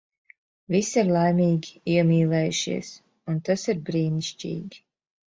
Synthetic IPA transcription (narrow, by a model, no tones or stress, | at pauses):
visiɾlˠajmʲiːɡʲiiɛmʲiːlˠɛːjuʃḭɛs | unt̪asiɾbɾiːniʃcḭːɡʲi̥